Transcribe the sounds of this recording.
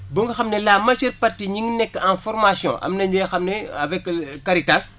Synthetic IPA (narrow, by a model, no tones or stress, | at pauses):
bəŋɡəxɐmnɛlaːmɐʃərpɐrtiɲiŋnɛkːãfɔrmasjɔ̰̃ʔɐ̰mnɐɲd͡ʒɛxɐmnɛɐvɛkkːɐɾitas